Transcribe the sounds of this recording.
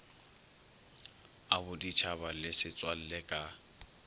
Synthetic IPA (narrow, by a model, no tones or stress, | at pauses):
abʊdit͡ʃʰabalɪsɪt͡sʼwal̩lekʼa